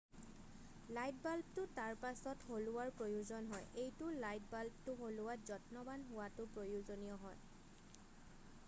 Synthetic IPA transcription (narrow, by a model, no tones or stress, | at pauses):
lajt̚balp̚tʊtaɹpasɔtholʊwaɹpɹojuzɔnɦɔjʔejtʊlajtbalp̚tʊɦolʊwazɔtnɔbanɦʊwatʊpɹojuzonijɔɦɔj